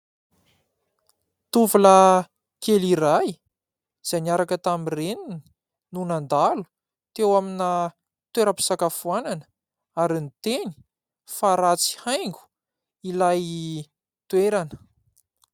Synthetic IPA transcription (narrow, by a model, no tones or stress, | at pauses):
t̪uvulə | keliɾaj | z̥anaɾakət̪amirenini | nunand̪alu̥ | t̪ewamina | t̪weɾəpi̥sakafuananə̥ | aɾinit̪eni̥ | faɾat͡si̥hajŋɡu̥ | ilaj | t̪weɾanə̥